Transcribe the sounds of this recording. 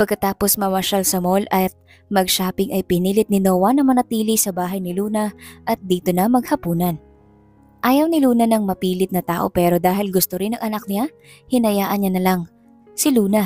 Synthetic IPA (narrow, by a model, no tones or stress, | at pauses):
pɐɡ̚kɐt̪aːpo̞smɐwɐʃɐlsɐmo̞lʔɐt̪̚ | mɐɡ̚ʃaːpɪŋʔɐjpɪniːlɪt̪̚nɪnoːwɐnɐŋmɐnɐt̪iːlɪsɐbaːɦɐjnɪluːnɐʔɐt̪̚d̪iːt̪onɐmɐɡhɐpuːnɐn | ʔaːjɐwnɪluːnɐnɐŋmɐpiːlɪt̪nɐt̪aːʔo̞̰pɛːɾo̞d̪aːɦɪlɡʊst̪oɾɪnɐŋʔɐnɐk̚nɪa | hɪnɐjaːʔɐnɲanɐlɐŋ | sɪluːnɐ